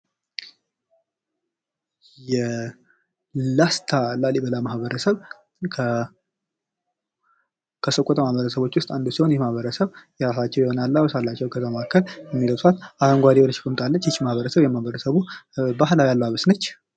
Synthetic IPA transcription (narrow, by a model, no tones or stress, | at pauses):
jɛ | last̪ʰalalibəlamahβəɾəsəβʰ | kʰəsəkʼːɔt̪əmahβəɾəsəβo̞t͡ʃːwʊst̪ʼand̪usiho̞njɛmahβəɾəsəβjasat͡ʃːɛwjɪho̞nalːawsalːat͡ʃːɛwkʰət̪əmakʰːəljɛmːiləwsat̪ahənɡʷad̪ewonəʃɪ̥kʰɨmt̪ʼalːət͡ʃːt͡ʃːmahβəɾəsəβjɛmahβəɾəsəβubahlawjalːəwaβəsnət͡ʃː